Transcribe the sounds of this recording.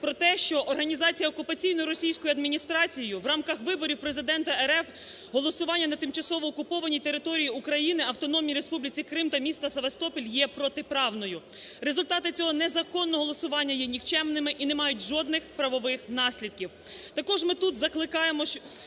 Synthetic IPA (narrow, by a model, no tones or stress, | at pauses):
pɾɔt̪ɛʃt͡ʃɔʔɔrɦɐnʲizɑt͡sʲijɐɔkʊpɐt͡sʲijnɔjʊɾɔsʲijsʲkɔjʊɐd̪mʲinʲist̪ɾɑt͡sʲijʊʋrɑmkɐxʋɪbɔɾʲiwpɾe̞zɪd̪ɛnt̪ɐɛɾɛf | ɦɔlˠɔsʊʋɑnʲːɐnɐt̪ɪmt͡ʃɐsɔʋɔːkʊpɔʋɐnʲit̪eɾɪt̪ɔɾʲijiukɾɐjinɪɐwt̪ɔnɔmʲiiɾe̞spublʲit͡sʲikɾɪmt̪ɐmʲist̪ɐseʋɐst̪ɔpʲilʲjɛpɾɔt̪ɪpɾɑwnɔjʊ | ɾezʊlʲt̪ɑt̪ɪt͡sʲɔɦɔnɛzɐkɔnːɔɦɔlˠɔsʊʋɑnʲːɐjɛnʲikt͡ʃɛmnɪmɪʔinemɑjʊtʲʒɔd̪nɪxpɾɐʋɔʋɪxnɑsʲlʲid̪̚kʲiw | t̪ɐkɔʒmɪt̪ut̪zɐklˠɪkɑjemɔ